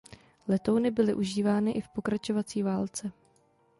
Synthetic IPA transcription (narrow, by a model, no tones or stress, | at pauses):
lɛt̪o̞wnɪbɪlɪʔuʒiːvaːnɪʔɪfpo̞kɾat͡ʃo̞vat͡siːvaːlt͡sɛ